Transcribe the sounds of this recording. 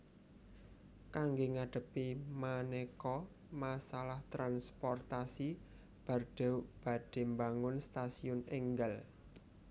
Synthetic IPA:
kaŋɡeŋaɖ̥ə̤pimanekɔ | masalaht̪ɾanspɔrt̪asi | b̥a̤rɖ̥ɛ̤uʔb̥a̤d̥e̤mbaŋʊnst̪asiʊneŋɡal

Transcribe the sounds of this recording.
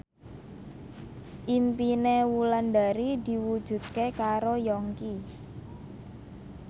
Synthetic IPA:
ʔimpinewulandaɾid̪i̤wud̥ʒ̥ṳt̪̚kekaɾojɔŋki

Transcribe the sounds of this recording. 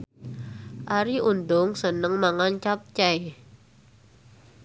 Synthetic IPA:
ʔaɾiund̪ʊŋsənəŋmaŋant͡ʃap̚t͡ʃaj

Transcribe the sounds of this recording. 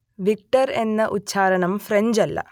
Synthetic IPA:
ʋik̚ʈɐɾe̞nːɐʔuɕʰaːɾɐɳɐmfre̞ɲd͡ʑɐlːɐ̰

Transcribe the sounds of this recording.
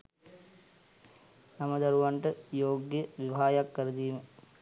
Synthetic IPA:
nɐmɐd̪ɐɾuʋaɳʈəjoːɡjəʋiʋʱaːjakːɐɾɐd̪iːmə

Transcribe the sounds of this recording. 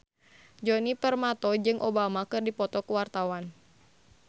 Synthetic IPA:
d͡ʒɔnipərmat̪ɔd͡ʒɨŋʔobamakɨrdipɔt̪ɔkəwart̪awan

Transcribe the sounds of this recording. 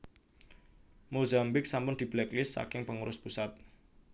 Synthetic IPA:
mozambɪk̚sampʊnd̪̥i̤b̥lɛklɪsːa̰kɪŋpəŋuɾʊspusat̪̚

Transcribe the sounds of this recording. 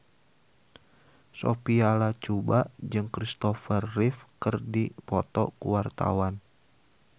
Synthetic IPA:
so̰pialat͡ʃubaʔd͡ʒɨŋkɾist̪ɔfərːifkərdipɔt̪ɔ̰kuwart̪a̰wan

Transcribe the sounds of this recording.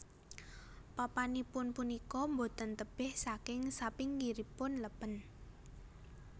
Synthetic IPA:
papanipʊnpunikɔmbot̪ənt̪əb̥ɪhsakɪŋsapɪŋɡiɾipʊnləpən

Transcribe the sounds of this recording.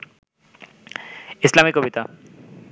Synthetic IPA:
islamikɔbit̪a

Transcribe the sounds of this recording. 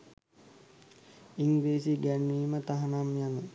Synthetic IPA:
iŋʋeːsiɡænːiːmət̪aɦanamjanə

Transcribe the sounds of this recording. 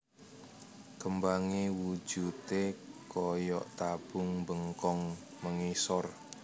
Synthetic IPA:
kəmbaŋewud̥ʒ̥ut̪ekɔjɔʔt̪ab̥ʊ̤ŋmbəŋkɔŋməŋisɔr

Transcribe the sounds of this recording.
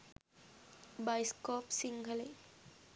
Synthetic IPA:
bajskɔpsiŋɡʱəle

